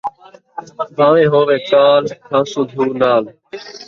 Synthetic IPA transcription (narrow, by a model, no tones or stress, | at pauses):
bʱaːʋẽːɦoːʋeːkaːlkʰãːsʊ̃d̪ʱuːnaːl